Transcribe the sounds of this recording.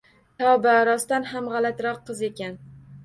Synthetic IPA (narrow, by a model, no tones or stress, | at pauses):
t̪ʰɒbaɾɒst̪anɦamʁɑlat̪ɾɒqːɨze̞kʲan